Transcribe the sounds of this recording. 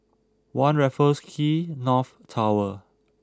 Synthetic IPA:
wãnɹɛfəskʰinɔf | tʰawə

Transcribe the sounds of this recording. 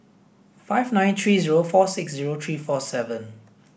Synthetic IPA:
faɪvnãɪ̃nt̪ʰɹiːziɹofɔsɪksziɹot̪ʰɹiːfɔsɛvə̃n

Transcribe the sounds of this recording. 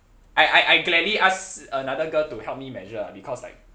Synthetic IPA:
ʔaɪʔaɪʔaɪɡlɛdliʔasənadəɡəltuhɛlp̚mimɛd͡ʒəa̰bikʰɔslaɪk̚

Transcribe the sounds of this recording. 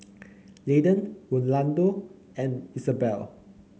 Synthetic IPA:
ledə̃nwɔ̃nlãndo | ɛ̃nisəbɛ̰l

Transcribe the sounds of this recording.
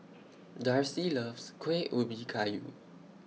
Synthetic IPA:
daɹsilavskʰweʔʔobikʰajṵ

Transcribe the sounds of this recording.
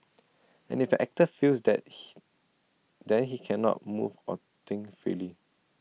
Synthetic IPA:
ɛ̰̃nɪfəʔɛk̚təfilsdɛ̰t̚ | dɛ̃nɦikʰɛnɔ̰t̚mṵvɔ | t̪ɪ̃ŋfɹḭli

